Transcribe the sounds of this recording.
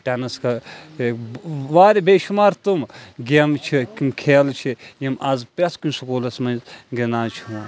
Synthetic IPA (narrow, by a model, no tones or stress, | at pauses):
ʈʲenɐskɐ | ʋaːɾʲbeːʃumaːɾt̪umɡʲemt͡ʃʰikimkʰeːlt͡ʃʰijimɐzpʲɐskunʲsukoːlɐsmɐnzɡenaːt͡ʃʰua